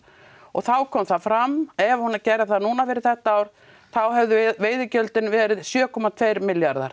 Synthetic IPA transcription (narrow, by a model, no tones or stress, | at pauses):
ɔɣθawkʰɔmθaðfɾamːɛvahunaɾcɛːɾaðθaðnuːnafɛːɾɪðθɛht̪aaːwɾ̥ | θawɦɛvðʏveːjðɪcœlt̪ɪnvɛːɾɪðsjœːkʰɔmat̪ʰvejɾmɪljaɾða̰ɾ̥